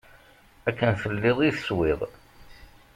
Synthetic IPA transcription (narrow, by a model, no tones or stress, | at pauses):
ækːənθəlːɪðˤiθəswɪðˤ